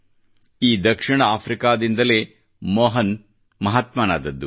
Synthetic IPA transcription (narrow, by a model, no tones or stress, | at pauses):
iːd̪ɐkʂiɳɐaːpʰɾikaːd̪ind̪ɐleː | mɔːɦɐn | mɐɦaːt̪maːna̰ːd̪ɐd̪ːu